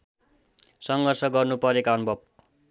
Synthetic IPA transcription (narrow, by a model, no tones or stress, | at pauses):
sʌŋɡʌrsʌɡʌrnupʌɾekaʌnubʱʌb̚